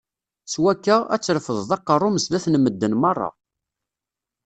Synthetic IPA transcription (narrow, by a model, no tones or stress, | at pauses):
swækːææ̰t͡sːɾfəðˤðɑqːərˤːʊməzlæθnmːəd̪ːənmɑrˤːɑ̰